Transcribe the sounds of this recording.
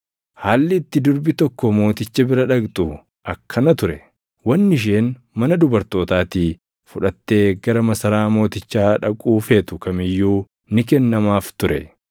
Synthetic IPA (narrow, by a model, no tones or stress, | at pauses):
haːlːɪːt̪ːɪd̪ʊɾbɪt̪ɔkːɔmo̞ːt̪ɪt͡ʃːɐbɪɾɐᶑɐɡt̪ʼʊ | ʔɐkʰːɐnɐt̪ʊɾɛ | wɐnːɪʃ̬eːn | mɐnɐd̪ʊbɐɾt̪o̞ːt̪aːt̪ɪ | fʊᶑɐt̪ːe̞ːɡɐɾɐmɐsɐɾaːmo̞ːt̪ɪt͡ʃːaːᶑɐkʼuːfe̞ːt̪ʊkɐmɪjːuː | nɪk̬ɛnːɐmaːft̪ʊɾɛ